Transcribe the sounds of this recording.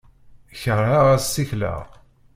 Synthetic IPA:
çərːaʁæsːiçlæ̰ʁ

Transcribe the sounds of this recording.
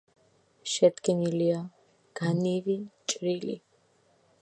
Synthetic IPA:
ʃɛd̪ɡnilia | ɡ̥anivit͡ʃʼɾilḭ

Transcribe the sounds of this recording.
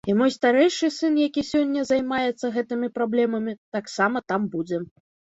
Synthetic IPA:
imɔjst̪aɾɛjʂɨsɨnjakʲisʲɔnʲːɐzajmajɛt̪sːɐɣɛt̪ɨmʲipɾablʲɛmɐmʲit̪aksamɐt̪ambud͡zʲɛ

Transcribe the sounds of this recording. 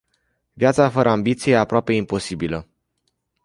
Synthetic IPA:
vʲjat̪safəɾʔəambit̪sijejeapɾoape̞impo̞sibilə

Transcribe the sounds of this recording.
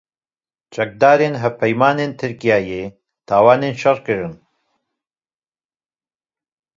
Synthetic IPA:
t͡ʃʰɛk̚d̪aːɾenɦɛvpʰɛjmaːneːnt̪ʰɨɾkijaːjeː | t̪ʰaːwaːneːnʃɐrkɨɾɨn

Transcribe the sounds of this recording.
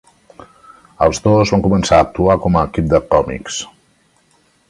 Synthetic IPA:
əlˠzðozβaŋkumənsaəːk̚t̪uakɔməːkip̚d̪əkɔmḭks

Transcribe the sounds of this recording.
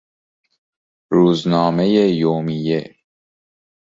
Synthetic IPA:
ɾuːznɒːme̞jejoːmije

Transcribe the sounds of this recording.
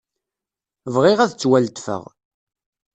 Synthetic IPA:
vʁɪʁæðt͡sːwælt̪fə̰ʁ

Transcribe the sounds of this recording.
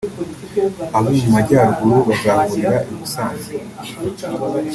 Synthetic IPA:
aβomumaɟaːɾɡuɾoβazaβuɾiɾaʔiβusaːnze

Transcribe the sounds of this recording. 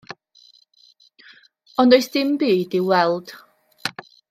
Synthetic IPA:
ɔndoɨθd̥ɪmbiːdɪwɛlˠd̥

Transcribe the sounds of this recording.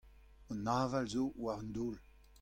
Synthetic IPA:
ɔnːaːvalzowaʁənd̪oːl

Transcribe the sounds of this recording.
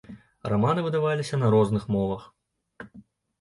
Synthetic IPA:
ramanɨvɨd̪avalʲisʲɐnɐɾɔznɨxmɔvɐx

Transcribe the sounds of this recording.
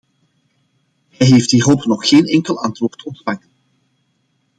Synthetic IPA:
ɦɛjɦeft̚diːɦolˠpnɔxxeːnɛŋkəlˠɑntʋoːrtɔntfaŋən

